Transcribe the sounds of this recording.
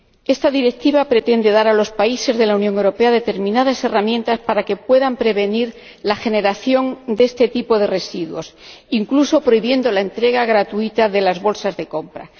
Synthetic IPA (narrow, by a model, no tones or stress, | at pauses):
e̞st̪aðiɾe̞k̚t̪iβapɾe̞t̪e̞nd̪e̞ðaɾalo̞spaise̞zðe̞launjoŋe̞wɾo̞pe̞aðe̞t̪e̞ɾmĩnað̞ase̞ramjent̪aspaɾake̞pwe̞ðampɾe̞β̞e̞niɾ | laxe̞ne̞ɾaθjo̞nd̪e̞st̪e̞t̪ipo̞ðe̞re̞siðwo̞siŋkluso̞pɾo̞iβje̞nd̪o̞lae̞nt̪ɾe̞ɣ̞aɣɾat̪uit̪aðe̞lazβo̞lsazðe̞ko̞mpɾa̰